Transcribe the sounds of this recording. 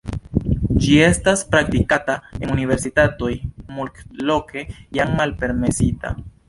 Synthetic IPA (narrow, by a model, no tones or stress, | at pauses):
d͡ʒie̞staspɾak̚tikatae̞nunive̞ɾsitato̞jmulklo̞kʰe̞jaŋmalpe̞ɾme̞sita̰